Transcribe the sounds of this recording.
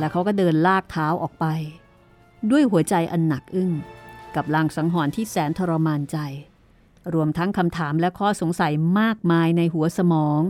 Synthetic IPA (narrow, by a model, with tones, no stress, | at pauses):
lɛ˦˥kʰa˥wkɔː˥˩dɤː˧nlaː˥˩k̚t̪ʰaː˦˥wʔɔː˨˩k̚pa˧j | du˥˩əjɦu˩˦ɐt͡ɕa˧jʔa˧nːa˨˩k̚ʔɯ˥˩ŋka˨˩p̚laː˧˩ŋsa˩˦ŋɦɔː˩˦nt̪ʰiː˥˩sɛː˩˦nt̪ʰɔ˧ɾa˧maː˧nt͡ɕa˧j | ɾu˧əmt̪ʰa˦˥ŋkʰa˧mt̪ʰaː˩˦mlɛ˦˥kʰɔː˥˩so˩˦ŋsa˩˦jmaː˥˩k̚maː˧jna˧jɦu˩˦ɐsa˧mɔː˩˦ŋ